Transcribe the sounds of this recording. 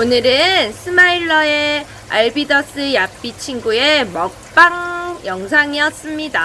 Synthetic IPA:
onɯɾɯnsʰɯmaiɭːʌe̞ | aɭbidʌs͈ɯjap͈it͡ɕʰiŋɡue̞mʌk̚p͈aŋjʌŋsʰaŋiʌs͈ɯmɲida

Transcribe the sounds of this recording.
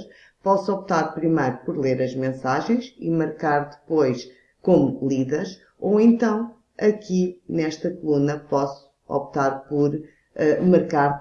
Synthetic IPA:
ʃ | pɔsuɔp̚t̪aɾpɾimɐjɾupɔɾlˠeɾɐʒmẽsaʒẽj̃ʃimɐɾkaɾðɨpojʃ | komulˠiðɛɾʃ | owẽnt̪ɐ̃w̃ | ɐkinɛʃt̪ɐkulˠunɐpɔsu̥ | ɔ̰p̚t̪aɾpɔɾ | ɛmɐɾkaɾ

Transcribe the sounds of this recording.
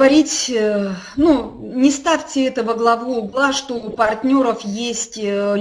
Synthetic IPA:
ɐɾʲitʲ | nunʲɪst̪afʲtʲɪɛt̪əvəɡlˠɐvuːɡlˠaʂt̪opɐrtʲnʲo̞ɾəfjesʲtʲ

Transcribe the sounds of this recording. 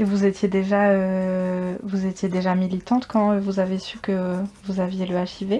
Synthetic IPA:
evuzet̪jed̪eʒaø | vuzet̪jed̪eʒamilit̪ɑ̃t̪kɑ̃øvuzavesykəvuzavjeləaʃive

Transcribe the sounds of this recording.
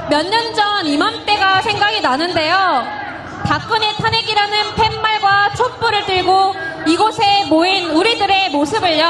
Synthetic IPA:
mjʌɲːʌnd͡ʑʌnimant͈e̞ɡasʰe̞ŋɡaɡinanɯnde̞jo | pak͈ɯne̞tʰaneɡiɾanɯnpʰe̞mːaɭɡwat͡ɕʰop͈uɾɯɭtɯɭɡoiɡosʰe̞moinuɾidɯɾe̞mosʰɯbɯɭjʌ

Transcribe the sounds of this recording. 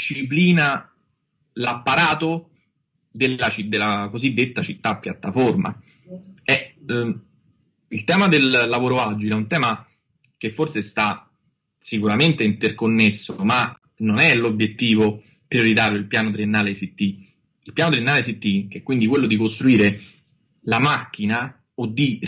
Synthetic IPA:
ʃipliːna | lapːaɾaːt̪o | d̪eat͡ʃid̪elːakozid̪ːet̪ːat͡ʃit̪ːapːjat̪ːaforma̰ | ɛ | ilt̪ɛːmad̪elːavoːɾoad͡ʒileɛunt̪ɛːma | k̟efːorsest̪a | sikuɾament̪eint̪erkonːesːooma | nonɛlobjet̪ːiːvo | pɾjoɾit̪aːɾjoilpjaːnot̪ɾienːaːlesit̪ːi | ilpjaːnot̪ɾienːaːlesit̪ːik̟eɛkːwind̪ikwelːod̪ikost̪ɾuiːɾe | lamakːina | od̪ːi

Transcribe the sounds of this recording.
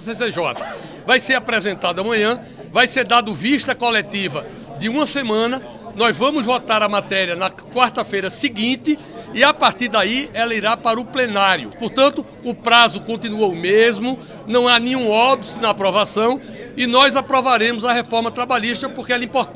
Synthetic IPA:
seseʒɔt̪ɐ̥ | vajseɾapɾɛzẽnt̪ad̪ʊɐmɐ̃ɲɐ̃ | vajseɾd̪ad̪ʊviʃt̪ɐkolet̪ivɐ | d̪ɪũmɐsemɐ̃nɐ | nɔzvɐ̃mʊzvɔt̪aɾɐmat̪ɛɾiɐnɐ | kwaɾt̪ɐfejɾɐsiɡĩnt̪ɪ | ɪapaɾt̪iɾd̪aiɛlɐiɾapaɾɐʊplenaɾjʊ̰poɾt̪ɐ̃nt̪ʊːpɾazʊkõnt̪ĩnuowmezmʊ | nɐ̃w̃anẽɲũɔbsɪnɐːpɾɔvasɐ̃w̃ | ɪnɔjzapɾɔvaɾẽmʊzɐɦefɔɾmɐt̪ɾabaʎiʃt̪ɐpoɾkeɛlɐĩpoɾt̪

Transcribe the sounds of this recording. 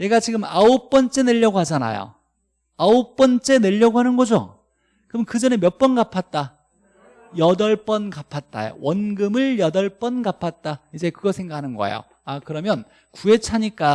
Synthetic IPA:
ne̞ɡat͡ɕiɡɯmaop͈ʌnt͡ɕ͈e̞ne̞ʎːʌɡohad͡ʑana̰jo̰ | aop͈ʌnt͡ɕ͈e̞ne̞ʎːʌɡoɦanɯnɡʌd͡ʑo̰ | kɯmʌnkɯd͡ʑʌnemjʌp͈ʌnɡapʰat̚t͈a | jʌdʌɭp͈ʌnkapʰat̚t͈a̰jo̰wʌnɡɯmɯɭjʌdʌɭp͈ʌnɡapʰat̚t͈aid͡ʑe̞kɯɡʌsʰe̞ŋɡakʰanɯnɡʌḛjo̰ | akɯɾʌmjʌn | kue̞t͡ɕʰaɲik͈a

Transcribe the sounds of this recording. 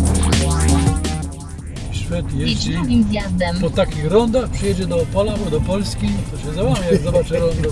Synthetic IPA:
ɕfʲɛt̪jɛiivʲjad̪ɛmpɔt̪akʲixɾɔnd̪axpʂɨjɛd͡ʑɛd̪ɔːpalabɔd̪ɔpɔlskʲit̪ɔɕɛzawavʲjajaaɡzɔbat͡ʂɛɾɔznɔ

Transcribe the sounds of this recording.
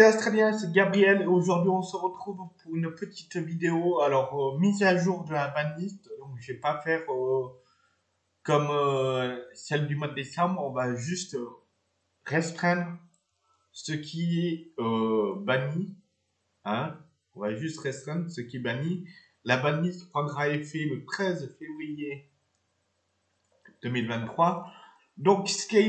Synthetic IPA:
sɛast̪χaljɛ̃sɛɡabʁijɛleoʒuʁd̪ɥiɔ̃səʁət̪χuvpuʁynpət̪ʰi̥t̪vid̪eoalɔʁømizaʒuʁd̪əlabanlist̪d̪ɔ̃kʒvɛpafɛʁø | kɔmø | sɛld̪ymwad̪ːesɑ̃bʁɔ̃vaʒyst̪ | ʁɛst̪χɛ̃d̪ʁ | səkʲʰiɛøbani | ɛ̃ | ɔ̃vaʒyst̪ʁɛst̪χɛ̃d̪ʁsəkʲiɛbani | labanisəkχaɡʁaefɛlət̪χɛzfevʁije | d̪̥ømilvɛ̃t̪ːχwa | d̪ɔ̃ksə̥kʲɛ

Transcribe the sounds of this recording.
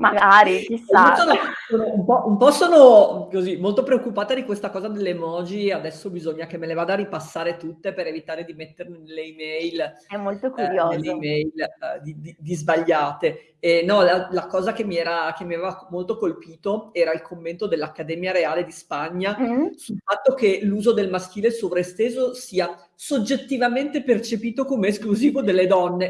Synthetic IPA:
maɡaɾikisaoːnosoːnoumpɔʔumpɔsoːnokozimolt̪opɾeokːupaːt̪ad̪ikwest̪akɔːzad̪elːemɔːd͡ʒiad̪ɛsːobizoɲːak̟emːelevaːd̪aripasːaːɾet̪ut̪ːepeɾevit̪aːɾed̪imet̪ːerned̪elːeimɛjlɛmolt̪okuɾjod̪ːelːeimɛjld̪id̪id̪izbaʎːaːt̪e | enɔlalakɔːzakemːiɛːɾak̟emːiavevamolt̪okolpiːt̪oɛːɾailkomːent̪od̪elːakːad̪ɛmjaɾeaːled̪ispaɲːasulfat̪ːok̟eluːzod̪elmask̟iːlesovɾest̪eːzosiːa | sod͡ʒet̪ːivament̪epert͡ʃepiːt̪okomeːskluziːvod̪elːed̪ɔnːe

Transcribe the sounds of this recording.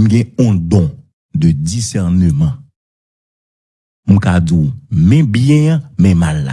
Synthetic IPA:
m̩̃ɡɛ̃ɔ̃d̪ɔ̃ | d̪ədisɛʁnəmã | m̩̃kad͡ziumɛ̃bjɛ̃ãmɛ̃malːa̰

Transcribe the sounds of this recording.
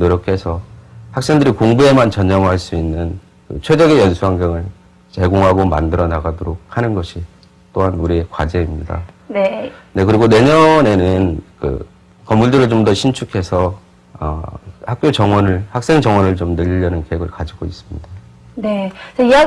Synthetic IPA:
noɾjʌkʰe̞sʰʌhak̚s͈e̞ŋdɯɾikoŋbue̞mant͡ɕʌɲd͡ʑʌmɦaɭs͈uinːɯn | kɯ̰t͡ɕʰwe̞d͡ʑʌɡejʌnsʰuɦaŋɡjʌŋɯɭ | t͡ɕe̞ɡoŋɦaɡoma̰ndɯɾʌnaɡadoɾok̚hanɯnɡʌɕʰi | t͈oɦanuɾie̞kwad͡ʑe̞imɲida̰ | nene̞kɯɾiɡone̞ɲʌne̞nɯnkɯ̰ | kʌmːuɭdɯɾɯɭt͡ɕomdʌɕʰint͡ɕʰukʰe̞sʰʌ | ʌ̰hak̚k͈jot͡ɕʌŋwʌnɯɭhak̚s͈e̞ŋd͡ʑʌŋwʌnɯɭt͡ɕomnɯʎːʌnɯnkeɦeɡɯɭkad͡ʑiɡois͈ɯmɲida | net͡ɕaia

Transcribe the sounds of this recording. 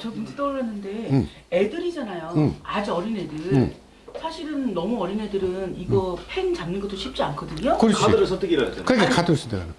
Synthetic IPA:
t͡ɕʌmund͡ʑʰet͈ʌɭːanːɯnde̞ | edɯɾid͡ʑanajoad͡ʑiʌɾine̞dɯɾ | sʰaɕʰiɾɯnːʌmuʌɾine̞dɯɾɯniɡʌpʰe̞nt͡ɕamnɯnɡʌt͈oɕʰip̚t͡ɕ͈iankʰʌdɯɲokɯɾadɯɾɯɭsʰʌt͈ʰɯɡiɾaad͡ʑa̰nkɯɾeɡʰekʰadɯɾɯs͈ʰidea̰na

